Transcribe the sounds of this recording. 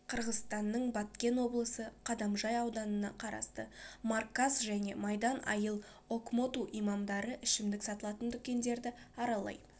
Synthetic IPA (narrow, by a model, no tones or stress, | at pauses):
qʰəɾʁəzst̪ɑnːəɴbɑt̪̚kʲe̞nwo̞blˠəsəqʰɑd̪ɑmʒɑjɑwd̪ɑnənɑqʰɑɾɑ̰st̪əmɑrkːasʒæne̞̰mɑjd̪ɑnɑ̰jəlˠ | o̞kmo̞t̪uʔijmɑmd̪ɑɾəʔɪʃɪmd̪ɪksɑt̪əlˠɑt̪ənt̪ʰʏkʲe̞nd̪e̞ɾd̪ɪɑɾɑlˠɑ̰j